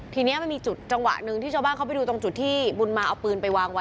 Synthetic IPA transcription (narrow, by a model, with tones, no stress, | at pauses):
t̪ʰiː˧ni˦˥ɐma˥˩nmiː˧t͡ɕu˨˩t̪̚t͡ɕa˧ŋwa̰˨˩ʔnɯ˨˩ŋʰiː˥˩aː˧baː˥˩nkʰa˥pa˨jduː˧t̪o˧ŋt͡ɕu˨˩t̪ʰːiː˥˩bu˧nmaː˧ʔa˧wpɯː˧npa˧jwaː˧ŋwa˦˥